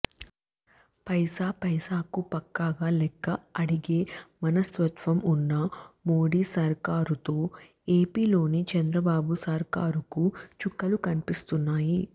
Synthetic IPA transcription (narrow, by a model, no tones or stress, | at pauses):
pɐjsaːpɐjsaːkupɐkːaːɡaːlɛkːɐɐɽiɡeːmɐnɐsʋɐt̪ʋɐmunːɐmoːɽiːsɐɾkaːɾut̪o̞ː | eːpiːlo̞ːnit͡ʃɐnd̪ɾɐbaːbusɐɾkaːɾukut͡ʃukːɐlukɐnipist̪unːaːji